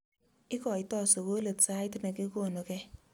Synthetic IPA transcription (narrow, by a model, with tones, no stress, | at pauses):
ɪ˦kɔ˨i˨tɔ˦˨so˨ko˦le˨tsa˦ɪ˦tnɛ˨ke˦ko˦˨no˨kɛ˦